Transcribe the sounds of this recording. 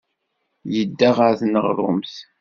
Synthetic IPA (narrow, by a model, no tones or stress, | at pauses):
jəd̪ːaʁaɾθnəʁɾˤʊ̰mθ